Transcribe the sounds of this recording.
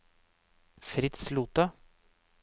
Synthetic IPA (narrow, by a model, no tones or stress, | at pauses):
fɾɪt̪sluːt̪ɑ